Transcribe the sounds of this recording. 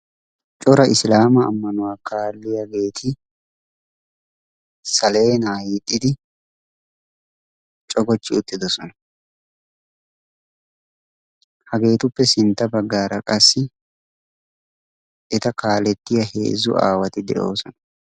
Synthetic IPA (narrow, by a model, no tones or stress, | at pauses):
t͡ʃʼɔɾɐʔɪslaːmɐ̰ːmːɐnʊwaːkaːlːɪjɐɡe̞ːt̪ʰɪ | sɐle̞ːnaːjɪt̪ʼːɪd̪ɪ | t͡ʃʼɔɡɔt͡ʃːɪʊt̪ːɪd̪ɔsɔnɐ | hɐɡe̞ːt̪ʊpːɛsɪnt̪ːɐbɐɡːaːɾɐkʼɐsːɪ | ʔɛt̪ɐkaːlɛt̪ːɪjɐhe̞̰ːzːʊ̰ʔa̰ːwɐt̪ɪd̪ɛ̰ʔo̞ːsɔnɐ